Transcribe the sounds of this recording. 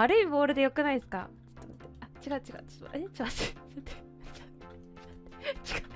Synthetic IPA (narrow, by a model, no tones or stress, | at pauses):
aɾɯ̟ibo̞ːɾɯ̟d̪e̞jo̞kɯ̟naisɨ̥ka̰ | ɨ̥t̪ːomot̪ːeat͡ɕiɡaɯ̟t͡ɕiɡa̰ɯ̟t͡ɕːt͡ɕiβassot̪e | sot̪et͡ɕi̥ɡa